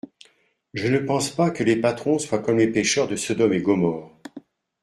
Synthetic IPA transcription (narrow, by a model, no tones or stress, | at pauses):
ʒənəpɑ̃spakəlepat̪χɔ̃swakɔmlepeʃœʁd̪əsɔd̪ɔmeɡɔmɔːʁ